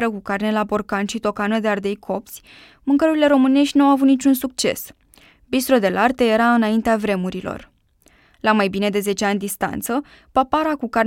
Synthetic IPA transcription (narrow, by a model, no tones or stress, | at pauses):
ɾəkukarne̞labo̞rkanʃit̪o̞kanəd̪e̞ard̪e̞jkʰo̞p̚t̪sʲ | mɨŋkəɾuɾile̞ɾo̞mɨne̞ʃt̪ʲnawavut̪nit͡ʃunsuk̚t͡ʃe̞̰s | bist̪ɾo̞d̪e̞lart̪e̞je̞ɾaɨnaint̪eavɾe̞muɾilo̞̰r | lamajbine̞d̪e̞ze̞t͡ʃe̞anʲd̪ist̪a̰nt̪sə | papaɾakukarn